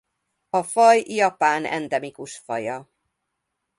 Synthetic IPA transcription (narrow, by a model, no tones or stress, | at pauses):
ɒfɒjjɒpaːnɛ̰nd̪ɛmikuʃfɒ̰jɒ